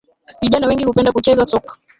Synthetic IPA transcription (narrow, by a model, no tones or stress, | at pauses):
viʄanawɛŋɡihupɛndakut͡ʃɛzasɔkḁ